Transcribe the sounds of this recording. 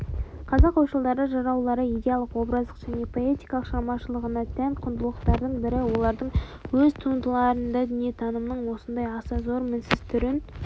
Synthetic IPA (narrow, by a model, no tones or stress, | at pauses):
qʰɑzɑqːɑwʃəlˠd̪ɑɾəʒɑɾɑwlˠɑɾəijd̪ʲejalˠəqwo̞bɾɑzd̪ə̥qʒ̥æne̞pʰoe̞t̪ijkɑlˠəqʃɑmɑʃəlˠəʁənɑt̪ʰænqʰʊnd̪əlˠəqt̪ɑɾd̪əɴbɪɾɪwo̞lˠɑɾd̪əɴwɵzt̪ʰund̪əlˠɑɾənd̪ɑd̪ʏnijet̪ʰɑnəmnəɴwo̞sənd̪ɑjɑsɑzo̞ɾmɪnsɪz̥t̪ʰʏɾɪn